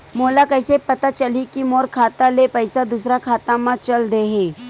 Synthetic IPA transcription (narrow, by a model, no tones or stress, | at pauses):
moːlakɐɪsepɐt̪at͡ʃɐlikimoːɾkʰaːt̪alepɐɪsad̪usɾakʰaːt̪amãt͡ʃɐld̪eɦeː